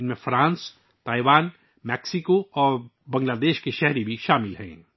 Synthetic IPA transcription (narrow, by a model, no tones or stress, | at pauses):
ɪnmẽfɾãːns | t̪aːiʋaːn | mɛːksɪkoɔːɾ | bɐ̃ŋɡlaːd̪eːʃkeʃɛɦɾibʱiʃaːmɪlɦɛ̰̃ː